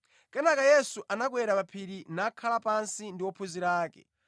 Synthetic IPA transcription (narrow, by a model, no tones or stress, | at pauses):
kɛnakajɛsuʔanak̬wɛɾapapʰiɾinakʰalapansindiwɔpʰuziɾaːkɛ̰